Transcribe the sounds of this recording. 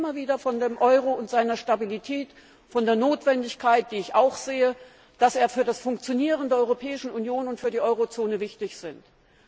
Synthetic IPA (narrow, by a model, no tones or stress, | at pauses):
ɪmɐviːdɐfɔndeːmʔɔʏʁoʊntz̥aɪnɐʃtabilitʰɛːt | fɔndeːɐnoːtv̥ɛndɪçkʰaɪt̚d̥iːɪçaʊxz̥eːə | d̥aseːɐfyːɐdasfʊŋkt͡sjoniːʁəndeːɐɔʏʁopʰɛːɪʃn̩unjoːnʊntfyːɐdiːʔɔʏʁot͡soːnəvɪçtɪçz̥ɪnt